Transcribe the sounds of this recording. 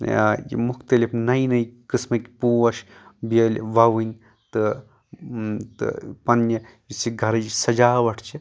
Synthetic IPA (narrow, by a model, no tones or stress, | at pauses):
jḭmukt̪ɐlipnɐjnɐjkɨsmɐkʲpuːʋɐʃbiɐlʲʋɐʋɨnʲ | t̪ɨ | t̪ɨ̰pɐnːjɐ | isiɡʱɐɾɐd͡ʒsɐd͡ʒaːʋɐʈʰt͡ʃʰi